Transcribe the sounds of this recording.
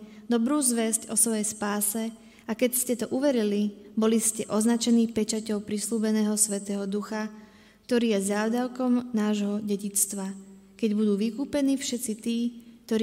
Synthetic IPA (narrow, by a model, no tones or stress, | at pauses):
d̪ɔbɾuːzʋɛscɔsʋɔjɛjspaːsɛ | akɛcscɛt̪ɔʔuʋɛɾilibɔliscɛʔɔznat͡ʃɛniːpɛt͡ʃacɔʊpɾisluːbɛnɛːɦɔsʋɛt̪ɛːɦɔd̪uxa | k̚t̪ɔɾiːjɛzaːʊd̪aʊkɔmnaːʒɦɔɟɛɟit͡st̪ʋa | kɛɟbud̪uːʋikuːpɛniːfʃɛt̪t͡sit̪iːk̚t̪ɔɾ